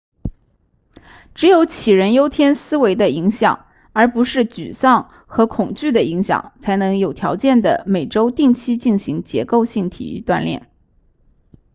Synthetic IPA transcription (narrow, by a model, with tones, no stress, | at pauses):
ʈ͡ʂɻ̩˧˥jo˧˥ʊt͡ɕʰi˨˩ɻə˧˥njo˥ʊt̪ʰjɛ˥nsɹ̩˥we˧˥ɪd̪ə˧i˧˥ŋɕjɑ̰˨˩˦ŋ | ə˞˧˥pu˧˥ʂɻ̩˥˩t͡ɕy̰˨˩sɑ˥˩ŋ | xɤ˧˥kʰʊ˨˩ŋt͡ɕy˥˩d̪ə˩i˧˥ŋɕjɑ̰˨˩˦ŋt͡sʰa˧˥ɪnɤ˧˥ŋjo˨˩ʊt̪ʰjɑ˧˥ʊt͡ɕjɛ˥˩nd̪ə̰˩me˨˩ɪʈ͡ʂo˥ʊt̪i˥˩ŋt͡ɕʰi˥t͡ɕi˥˩nɕi˧˥ŋt͡ɕjɛ˧˥ko˥˧ʊɕi˥˩ŋt̪ʰḭ˨˩y̰˧˥t̪wa̰˥˧nljɛ̰˥˩n